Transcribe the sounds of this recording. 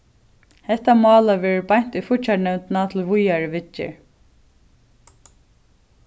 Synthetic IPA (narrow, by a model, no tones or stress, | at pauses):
hɛht̪ːamɑːlavɛːɹɪbajɲ̥t̪ujfʊt͡ʃːaɳɛwnt̪nat̪ʰɪlvʊjaɹɪʋɪt͡ʃːɪ̰